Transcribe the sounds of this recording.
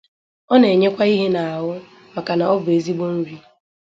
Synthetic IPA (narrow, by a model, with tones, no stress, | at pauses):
ɔ˦ne˨ɲe˦kʷa˦i˦ɦe˦na˨a˨ɦʊ˦ | ma˨ka˨na˨ɔ˦bʊ˨e˨zi˦ɡ͡bo˦n̩˦ɾi˦